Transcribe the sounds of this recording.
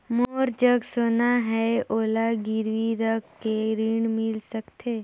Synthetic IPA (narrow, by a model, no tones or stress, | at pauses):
moːɾd͡ʒəɡsoːnaɦɛʔoːlaɡɪɾʋiɾəkːeɾiːɳmɪlsəkt̪ʰeː